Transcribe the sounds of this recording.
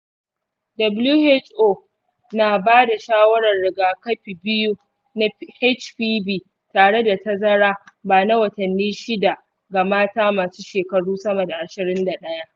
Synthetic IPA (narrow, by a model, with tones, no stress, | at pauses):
dɐ˨blu˦he˦t͡ʃʔoː˦˨ | naː˨baː˦da˨ʃaː˦wɐ˦ɽɐ˨rɽɪ˨ɡaː˨kɐ˦ɸi˨bɪ˦ju˦ | na˦he˦t͡ʃɸiː˦biː˦˨ | taː˨ɽe˦da˨ta˦zɐ˦ɽaː˦baː˨na˦wɐ˨tɐ˨nːiː˦ʃɪ˦da˨ʔ | ɡa˨maː˦taː˦maː˨suː˦ʃeː˨kɐ˨ɽuː˦sɐ˦mɐ˨da˨ʔa˨ʃɪ˨ɾɪ˦nda˨ɗɐ˦ja˦ʔ